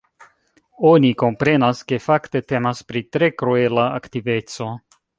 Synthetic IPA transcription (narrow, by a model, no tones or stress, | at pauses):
o̞niko̞mpɾe̞naske̞fakte̞te̞maspɾitɾe̞kɾue̞laaktive̞t͡so̞